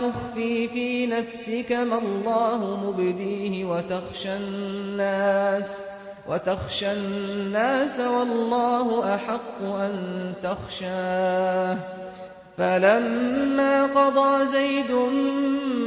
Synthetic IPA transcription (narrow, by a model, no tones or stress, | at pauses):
t̪ʊxfiːfiːnafsɪkamalˤːɑːhʊmʊbd̪iːhɪwat̪axʃaː | aːs | wat̪axʃaːaːsawɑlːɑːhʊʔaħɑqːʊʔant̪axʃaːh | falamːaːqɑd̪ˤɑːzajd̪ʊ